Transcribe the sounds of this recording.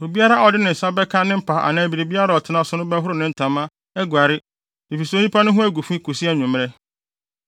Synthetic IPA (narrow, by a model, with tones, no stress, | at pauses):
o˨bi˦a˦ɾa˦ɔ˨dɪ˦nɪ̃˨n̩˨sa˦bɛ˦kʰa˦nɪ̃˦m̩˦pʰa˨a̰˨nã˨bi˨ɾi˨bi˦a˦ɾa˨ɔ˨tʰɪ˨nã˦sʊ˨nʊ̃˦bɛ˦ɦʊ˦ɾʊ˦nɪ̃˦n̩˨tʰã˨mã˦ | ɛ˦ɡwa˨ɾɪ˦ | i˨fi˨sɛ˦˨˦ɲũ˦pʰa˦nʊ̃˦ɦʊ̃˦æ˦ɡu˨fĩ˦kʰu˨si˦a˦˨ɲũ˨m˦ɾɛ˦